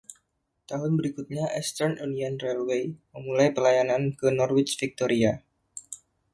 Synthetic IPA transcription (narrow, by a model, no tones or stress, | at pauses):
t̪aɦʊnbəɾikut̪̚ɲaʔɛst̪ərnunianrɛlwejməmulajpəlajanankənɔrwɪt͡ʃfik̚t̪oɾia